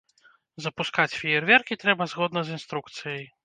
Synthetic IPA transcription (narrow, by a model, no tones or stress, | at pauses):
zɐpuskat͡sʲfʲijɛrvʲɛrkʲit̪ɾɛbɐzɣɔd̪nɐzinst̪ɾukt̪sɨjɐj